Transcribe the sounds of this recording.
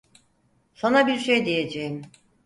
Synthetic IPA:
sanabiɾʃejd̪ije̞d͡ʒejim

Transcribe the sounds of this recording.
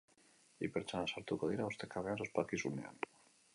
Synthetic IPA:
ipeɾt͡ʃanasaɾt̪ukoðiɾaust̪ekaβeansospakisunea̰n

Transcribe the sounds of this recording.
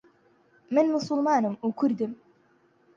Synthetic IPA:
mɨnmʊsʊlmɑːnɨmukʰʊɾd̪ɨm

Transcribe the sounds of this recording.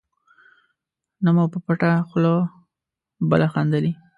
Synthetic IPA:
namowpəpaʈaxlo | bə̰laxand̪ali

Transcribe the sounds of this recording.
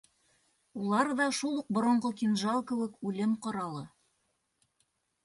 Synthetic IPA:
ulˠɑɾðɑʃulˠuq̚bŏɾŏɴʁɤkʲinʒɑlˠkɘ̆wɘkʉlɘmqŏɾɑlˠɤ

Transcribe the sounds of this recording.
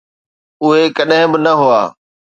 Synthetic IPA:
ʊɦekɐɗɦɪ̃bɪnɐɦʊa̰ː

